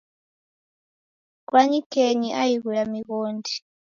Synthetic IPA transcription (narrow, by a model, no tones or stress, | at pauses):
kwaɲikʰeɲiʔajiɣuɺamiɣoːndi